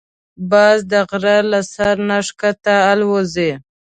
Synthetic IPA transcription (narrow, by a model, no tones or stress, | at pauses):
bɑzd̪əɣɾalasaɾnaʂkat̪aːlwoze